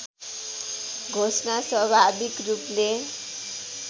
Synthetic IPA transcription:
ɡʱosnaswʌbʱabikruple

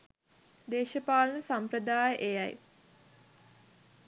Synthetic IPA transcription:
d̪eːʃəpaːlənəsamprəd̪aːjəʔejaj

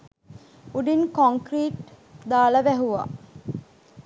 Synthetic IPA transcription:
uɖinkoŋkɾiːʈ | d̪aːləʋæɦuʋa̰

